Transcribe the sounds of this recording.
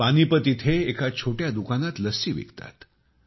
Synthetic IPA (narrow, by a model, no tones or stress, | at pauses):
panipət̪it̪ʰeːkʰat͡ɕʰoʈjad̪ukanat̪ləsiːʋḛkt̪a̰t̪